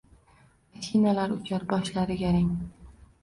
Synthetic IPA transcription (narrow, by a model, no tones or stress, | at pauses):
maʃʰinalaɾʊt͡ʃʰaɾbɒʃlaɾɪɡʲaɾaŋ